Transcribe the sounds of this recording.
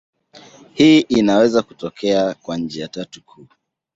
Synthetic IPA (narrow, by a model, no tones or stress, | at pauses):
hiːʔinawɛzaku̥tɔkʰɛakwaɲ̩d͡ʒɛjatatukʰuː